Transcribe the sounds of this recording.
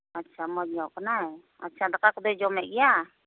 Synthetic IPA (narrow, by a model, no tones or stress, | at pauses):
atːt͡ʃʰamɔd͡ʒɔkanaj | a̰tt͡ʃʰad̪akakd̪ɔd͡ʒɔmɛʔɡija